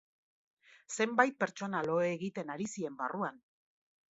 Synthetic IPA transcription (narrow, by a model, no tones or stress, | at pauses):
se̞mbajt̪̚pe̞ɾt͡ʃo̞nalo̞eːɣit̪e̞naɾisie̞mbaruan